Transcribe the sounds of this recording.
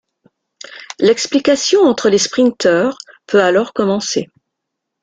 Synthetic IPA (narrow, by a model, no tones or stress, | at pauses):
lɛksplikʲasjɔ̃ɑ̃t̪χəlespχĩnt̪œʁ | pʰøalɔʁkɔmɑ̃se